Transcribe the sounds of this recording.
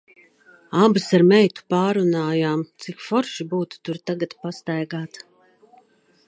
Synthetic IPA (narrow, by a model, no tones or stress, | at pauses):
abɨsaɾmɛjt̪u̥paːɾunaːjaːmt̪sikfɔɾʃibuːt̪u̥t̪uɾt̪aɡat̪past̪ajɡaːt̪